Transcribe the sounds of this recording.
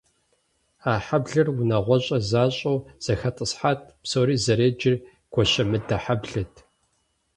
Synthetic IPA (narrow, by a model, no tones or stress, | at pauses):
aːħabɮɨrunɐʁʷɔɕʼɐzaːɕʼɐwz̥ɐxɐtʼɨsħaːt̚ʰpsoːɾiːzɐɾeːd͡ʒɪr | ɡ̥ʷʰɔʃɐmɨdaħabɮɐtʰ